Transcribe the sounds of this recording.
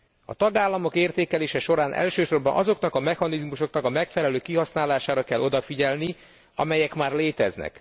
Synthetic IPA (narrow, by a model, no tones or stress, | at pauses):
ɒ̰t̪ɒɡaːlːɒmo̞keːrt̪eːkɛleːʃɛʃo̞ɾaːnʔɛ̰lʃøːʃo̞rbɒnʔɒzo̞knɒkɒmɛxɒnizmuʃo̞knɒkɒmɛkfɛlɛløːkiɦɒsnaːlaːʃaːɾɒkɛlːʔo̞d̪ɒfiɟɛlni | ɒ̰mɛjɛkmaːrleːt̪ɛznɛ̰k